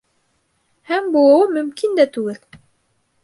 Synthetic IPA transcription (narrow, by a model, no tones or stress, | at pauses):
hæmbulˠɤ̆wɤmɵ̆mkind̪æt̪ʉɡɘl